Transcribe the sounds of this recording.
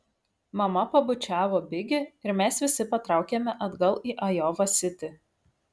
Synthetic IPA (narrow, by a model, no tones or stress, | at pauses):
mɐmɐpɐbʊt͡ʃʲæːʋoːbʲɪɡʲɪɪɾmʲɛsʋʲɪsʲɪpɐt̪ɾɑˑʊkʲeːmʲɛʔɐd̪ɡɐlˠiːʔɐjɔːʋɐsʲɪt̪ʲɪ